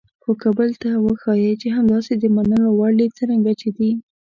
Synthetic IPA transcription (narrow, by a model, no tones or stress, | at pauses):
xokabəlt̪awəxɑjet͡ʃeɦamd̪ɑsed̪əmanəlowaɽit͡səɾaŋɡat͡ʃed̪i